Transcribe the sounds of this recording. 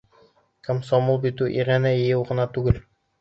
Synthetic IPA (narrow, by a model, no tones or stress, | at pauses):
kɘmsɒmulˠbit̪ʉʔiʁænæjɘ̆jɘwʁɤ̆nɑt̪ʉɡɘl